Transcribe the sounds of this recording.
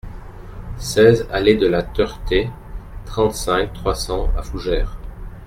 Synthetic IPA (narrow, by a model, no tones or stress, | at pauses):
sɛzaled̪əlat̪œʁt̪e | t̪χɑ̃t̪sɛ̃k̚t̪χwasɑ̃a̰fuʒɛːʁ